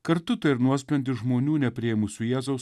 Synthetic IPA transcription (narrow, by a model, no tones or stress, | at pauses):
kɐɾt̪ʊt̪ɐɪɾnuɔsʲpʲɛnʲd̪ʲɪʒmoːnʲuːnʲɛpʲɾʲɪɛmʊsʲʊjæːzɐʊs